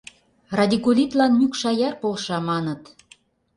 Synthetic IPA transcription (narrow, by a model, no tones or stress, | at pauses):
rɑd̪ʲikulʲit̪lɑnmykʃɑjɑrpolʃɑmɑnət̪